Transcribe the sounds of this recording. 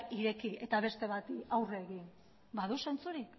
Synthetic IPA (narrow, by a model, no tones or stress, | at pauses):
iɾe̞kie̞t̪aβ̞e̞st̪e̞β̞at̪awre̞ːɣin | baðuse̞nt͡suɾik